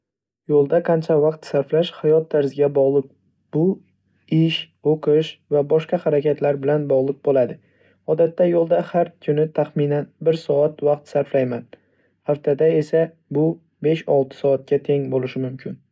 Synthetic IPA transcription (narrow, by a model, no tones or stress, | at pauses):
jolˠd̪aqʰɑnt͡ʃʰavaq̚t̪saɾflaʃhajɒt̪̚d̪aɾzɪɡʲabɒʁlˠɨq̚ | b̥ʊ | ɪʃ | oqʰɨʃvabɒʃqɑhaɾakʲʰat̪ʰlaɾbɪlanbɒʁlˠɨq̚bolad̪ɪ | ɒd̪at̪ːajolˠd̪ahaɾkʲʰʊnɪt̪ʰaχmɪnanbɪɾsɒat̪vaq̚t̪saɾflajman | haft̪ʰad̪ae̞sa | bʊ | be̞ʃɒlˠt̪ʰɪ̥sɒat̪̚kʲat̪ʰe̞ŋbolɪʃɪmʊmkʲʰɪn